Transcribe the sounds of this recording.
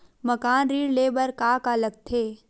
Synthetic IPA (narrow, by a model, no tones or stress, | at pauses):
mɐkaːnɾiːɽleːbəɾkaːkaləɡ̚t̪ʰeː